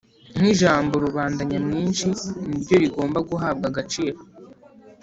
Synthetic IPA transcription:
n̥iʒaːmbo̞ɾuβaːndaɲamŋiːnʃinibjɟo̞ɾiɡo̞ːmbaɡuɦaːb̚ɡaɡat͡ʃiːɾo

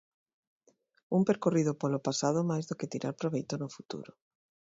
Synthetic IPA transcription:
umpeɾkorið̞ʊpolopasað̞ʊmajzðoket̪iɾʔa̰ɾpɾoβejt̪onʊfut̪ṵɾʊ

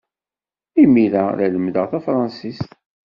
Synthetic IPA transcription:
imiɾæɾæləmd̪əʁθæfɾˤɑnsist̪

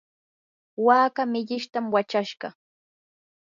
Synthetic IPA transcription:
waːkamɪʎɪʃt̪amwat͡ʃaʃɢɑ

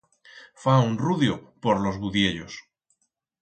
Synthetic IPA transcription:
faunruðjopoɾlo̞zβuðjeʎos

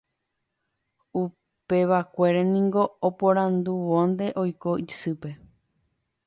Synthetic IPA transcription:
u | peʋakʷe̞ɾenĩŋɡo̞ːpoɾãnd̪uʋõnd̪e̞ʔo̞jko̞ʔisɨpe̞

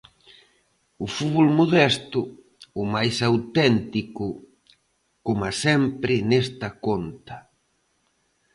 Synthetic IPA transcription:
ʊfuβolmoðɛst̪ʊ | ʊmajsawt̪ɛnt̪ikʊ | komasɛmpɾɪnɛst̪ɐkont̪ɐ

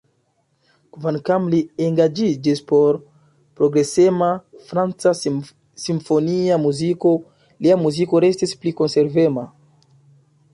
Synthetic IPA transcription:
kvankamlieŋɡad͡ʒid͡ʒispo̞ɾ | pɾo̞ɡɾe̞semafɾant͡sa | simfo̞niamuziko̞ | liamuziko̞ɾe̞stispliko̞nse̞ɾve̞ma

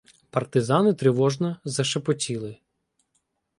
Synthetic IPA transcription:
pɐrt̪ɪzɑnɪt̪ɾɪʋɔʒnɔzɐʃɐpɔtʲilˠɪ

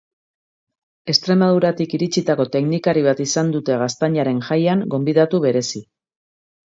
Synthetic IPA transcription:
e̞st̪ɾe̞maðuɾat̪ikiɾit͡ʃit̪ako̞t̪e̞knikaɾiβ̞at̪isand̪ut̪e̞ɣ̞ast̪aɲaɾe̞ŋʝajaŋɡo̞mbiðat̪uβe̞ɾe̞si

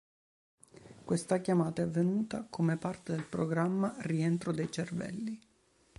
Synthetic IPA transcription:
kwest̪akjamaːt̪aɛavːenuːt̪akʰomepart̪ed̪elpɾoɡɾamːarient̪ɾod̪ejt͡ʃervɛ̰lːi

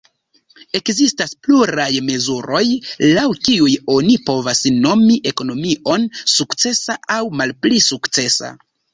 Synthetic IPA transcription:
e̞kzistaspluɾajme̞zuɾo̞jlawkiujo̞nipo̞vasno̞miʔe̞ko̞no̞miʔo̞nsukt͡se̞saawmalplisukt͡se̞sa̰

